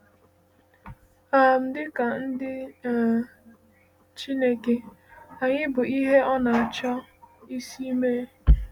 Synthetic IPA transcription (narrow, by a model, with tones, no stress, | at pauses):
a˨m̩˦dɪ˦ka˨n̩˦dɪ˦˨ | t͡ʃi˦ne˦ke˦a˨ɲɪ˦bʊ˨i˦ɦe˦ɔ˦na˨a˨t͡ʃɔ˦i˦si˦i˦me˦